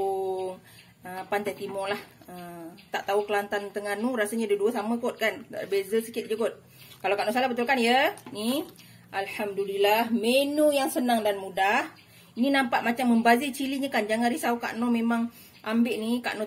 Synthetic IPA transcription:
əpant̪at̪imɔlahət̪aʔt̪aukəlant̪ant̪əŋanuɾasəɲadəduəsaməkot̪̚kanbezəsəkɪt̪̚d͡ʒəkot̪̚ | kalawkaʔnɔs̬alahbət̪̬ulkanjəni | ʔalhamdulilahmenujaŋsənaŋdanmudah | ininampaʔmat͡ʃamːəmbazit͡ʃiliɲakand͡ʒaŋanɾisauka̰ʔnomemaŋ | ʔambɪʔnika̰ʔnɔ

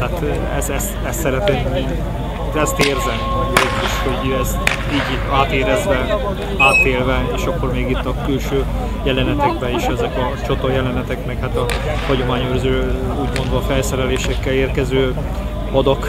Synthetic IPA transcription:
aːt̪ | ɛ̰zɛst̪ɛst̪sɛɾɛt̪emi | ɛst̪eːrzɛmodiʃhoɟyɛst̪ | iːɟ | aːt̪eːɾɛzvɛ | aːt̪eːlvɛeːʃɒkːo̞rmeːɡit̪ːɒkylʃøː | jɛlɛnɛt̪ɛɡ̚bɛiʃɛzɛkɒ | t͡ʃot̪ojɛlɛnɛt̪ɛkmɛkhaːt̪ɒhɒɟo̞maːɲørzøː | uːɟmo̞nd̪vɒːfɛlsɛɾɛleːʃɛkːɛleːrkɛzøː | ɒd̪ok

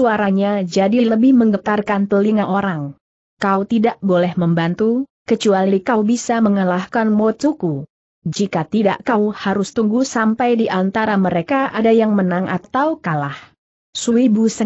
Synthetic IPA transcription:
suaɾaɲad͡ʒadiləbɪhməŋɡət̪arkant̪əliŋaʔoɾaŋ | kaut̪idaʔbolɛhməmbant̪ukət͡ʃualikawbisaməŋəlahkanmot̪uku | d͡ʒikat̪ida̰ʔkauhaɾʊst̪uŋɡusampajdiʔant̪aɾaməɾekaʔadajaŋmənaŋʔa̰t̪awkalah | suibusə

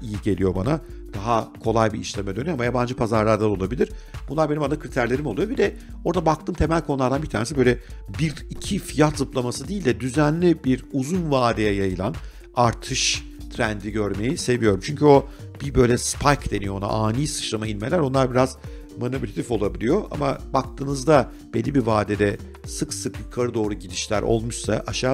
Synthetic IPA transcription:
ijiɟe̞lʲijo̞bana | d̪̥aɦakʰo̞lˠajbiiʃlʲemɛd̪ønyjamajaband͡ʒɯpʰazaɾlˠaɾd̪ad̪o̞lˠabilʲiɾ̥b̥unlˠaɾbe̞nimband̪akʰɾit̪ʰæɾlʲe̞ɾimo̞lˠujobid̪ɛ | o̞ɾd̪abakt̪ʰɯːmt̪ʰe̞mælʲkʰo̞nulˠaɾd̪anbit̪ʰaːnesibøjlʲɛbiɾicʰifijat̪zɯplˠamasɯd̪iːlʲd̪ɛd̪yzænlʲibiɾuzunvaːd̪ejɛjajɯlˠan | aɾt̪ʰɯʃ | t̪ʰɾænd̪iɟøɾme̞jise̞vijo̞ɾumt͡ʃʰyɲcʰyo̞b̥ibø̞jlʲɛspʰajkd̪e̞nijoona̰ʔaːniːsɯ̥ʃlˠamailʲme̞lʲæɾo̞nlˠaɾbiɾaz | manoplʲat̪ʰifo̞lˠabilʲijo̞ʔa̰mabak̚t̪ʰɯːnɯzd̪a | b̥elʲːibivaːd̪ed̪ɛ | sɯksɯkjukʰaɾɯd̪o̞ːɾuɟid̪iʃlʲæ̰ɾʔo̞̰lˠmuʃsa̰ʔaʃaː

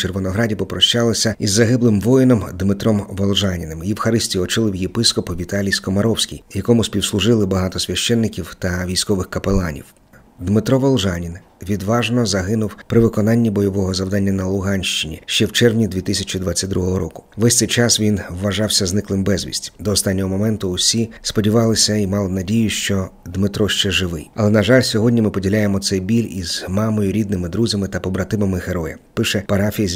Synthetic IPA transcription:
t͡ʃerʋɪnɔɦɾɑdʲipɔpɾɔʃt͡ʃɑlˠɪsʲɐizːɐɦɪblˠɪmʋɔjɪnɔmd̪mɪt̪ɾɔmʋɔlˠʒɑnʲinɪmjiwxɐɾɪsʲtʲiɔt͡ʃɪlˠɪwjepɪskɔpʋʲit̪ɑlʲijskɔmɐɾɔwsʲkʲḭjjɐkɔmʊsʲpʲiwslˠʊʒɪlˠɪbɐɦɑt̪ɔsʲʋʲɐʃt͡ʃɛnːɪkʲiwt̪ɐʋʲijsʲkɔʋɪxkɐpelˠɑnʲḭw | d̪mɪt̪ɾɔʋɔlˠʒɑnʲinʋʲid̪ʋɑʒnɔzɐɦɪnʊwpɾɪʋɪkɔnɑnʲːibɔjɔʋɔɦɔzɐwd̪ɑnʲːɐnɐlˠʊɦɑnʲʃt͡ʃɪnʲḭʃt͡ʃɛwt͡ʃɛrʋnʲid̪ʲʋʲit̪ɪsʲɐt͡ʃʲid̪ʋɑt͡sʲːɐt̚ʲd̪ɾuɦɔɦɔɾɔkʊ̥ʋɛsʲt̪sɛjt͡ʃɑsʋʲinʋːɐʒɑwsʲɐznɪklˠɪmbɛzʲʋʲḭsʲtʲd̪ɔːst̪ɑnʲːɔɦɔmɔmɛnt̪ʊʊsʲispɔdʲiʋɑlˠɪsʲɐimɑlˠɪnɐdʲijʊʃt͡ʃɔd̪mɪt̪ɾɔʃt͡ʃɛʒɪʋɪ̰jɐlˠɛnɐʒɑlʲsʲɔɦɔdʲnʲimɪpɔdʲilʲajemɔt̪sɛjbʲilʲiz̥mɑmɔjʊɾʲid̪̚nɪmɪd̪ɾuzʲɐmɪt̪ɐpɔbɾɐt̪ɪʋɐmɪɣeɾɔjɐ̰pɪʃɛpɐɾɑfʲijɐ

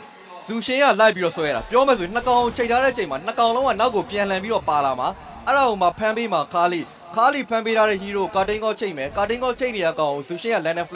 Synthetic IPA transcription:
z̥uʃɪ̃ja̰laɪpːiɾɔ̰swɛja̰apjɔmɛs̬oĩnəkãʊ̃ʔõt͡ɕʰẽɪtʰaɾɛ̰ət͡ɕʰẽɪ̃man̥əkãʊ̃lõŋa̰naʊkːopjãlãmpiɾɔ̰palama | ʔɛɹaomapʰãmpemakʰalḭ | kʰalḭpʰãmpeɾʰaɾɛ̰jiɾo̰katẽŋɔt͡ɕʰẽɪʔmɛkat̬ẽŋɔt͡ɕʰeɪʔnejakãʊ̃ʔõzuʃɪ̃ja̰lɛ̃nɛ̃f

